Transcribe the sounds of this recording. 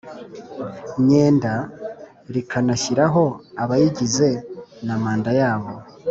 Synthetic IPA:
ɲe̞ːnda | ɾikʰanaçiɾaɦo̞aβajiɟize̞namaːndajaːβo̞

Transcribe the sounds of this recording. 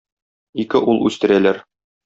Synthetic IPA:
ikɘʔulˠʉ̰st̪ɘ̆ɾælæɾ

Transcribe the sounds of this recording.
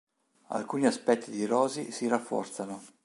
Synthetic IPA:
a̰lkuːniaspɛt̪ʰːid̪iɾɔːzisiɾafːɔ̰rt̪sano

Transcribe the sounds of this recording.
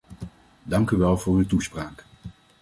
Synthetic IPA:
dɑŋkyʋɛlˠvʊːɹytuspraːk

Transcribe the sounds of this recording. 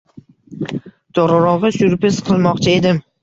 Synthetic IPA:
d̪̥ɒɾɑɾɒʁɨsʊɾpɪsqʰɨlˠmɒqt͡ʃʰɪe̞d̪ɪm

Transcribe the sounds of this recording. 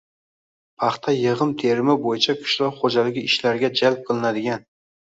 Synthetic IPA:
pʰɑχt̪ʰajɨʁɨmt̪ʰeɾɪmɪbojɪt͡ʃʰakʰʊ̥ʃlɒɾχod͡ʒalɪɡʲɪɪʃlaɾɡʲad͡ʒalp̚qʰɨlˠɪnad̪ɪɡʲan

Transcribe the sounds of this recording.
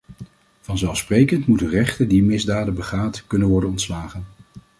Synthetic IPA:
v̥ɑnzɛlˠsprejkəntmutərɛχtədimɪzdaːdəbəχaːtkɵnənʋɔɹdənɔntslaːχən

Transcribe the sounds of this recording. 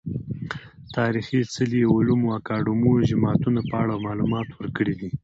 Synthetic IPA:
t̪ɑɾixit͡səliulumoakɑɖumud͡ʒɪmɑt̪unapəaɽamɑlumɑt̪wəɾkəɽid̪i

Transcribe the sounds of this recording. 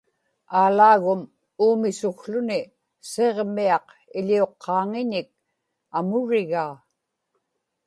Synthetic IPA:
aːlaːɣʊm | uːmɪsʊxɬʊnɪ | seʁmiɑq | ɪʎio̞qʰːɑːŋɪɲɪk̚ | amʊɻɪɣaː

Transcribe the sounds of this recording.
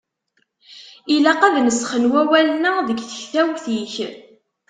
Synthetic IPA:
ilæqæðnəsχənwæwælənæðəɡθə̥çθæwθiç

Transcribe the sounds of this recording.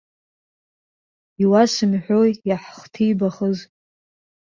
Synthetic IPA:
iwasɨmħʷᶣojaħχtʰijbaχəz

